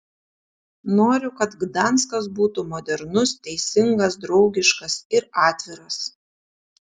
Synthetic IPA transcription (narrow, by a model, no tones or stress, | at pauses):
noːɾʲʊkɐt̪ɡd̪ɐnˑskɐsbuːt̪umɔːd̪ʲɛɾnʊst̪ʲɛɪsʲɪŋɡɐsd̪ɾɒʊɡʲɪʃkɐsɪɾɑːt̪ʲʋʲɪɾɐs